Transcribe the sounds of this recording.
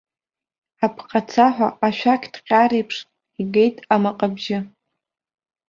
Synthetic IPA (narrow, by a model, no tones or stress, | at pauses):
apʰqʰʼat͡sʰaħʷa̰aʃᶣakʲʰdqʲʼaɾejpʰʂ | iɡe̞jtʼamaqʼabʒɪ